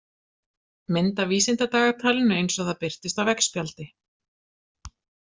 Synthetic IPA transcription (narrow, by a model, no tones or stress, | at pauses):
mɪnt̪aviːsɪnt̪at̪aːɣat̪ʰaːlɪnːʏejnsɔaθapɪr̥t̪ɪst̪avvɛkspjalt̪ɪ